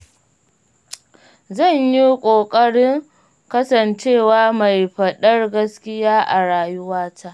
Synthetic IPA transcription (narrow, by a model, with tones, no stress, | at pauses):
zɐ˦˨ɲji˦kʷʼoː˨kʼɐ˦ɽɪ˦ŋ | kɐ˦sɐ˨nt͡ʃeː˦˨waː˦ma˨jɸɐ˨ɗɐ˦rɡɐ˦skʲɪ˦jaː˦ʔa˨ɽaː˨jʊ˦waː˦tʰaː˦ʔ